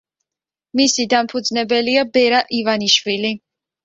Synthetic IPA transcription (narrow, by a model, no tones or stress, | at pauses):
misid̪ampʰud̪znɛbɛliabɛɾaʔivaniʃvili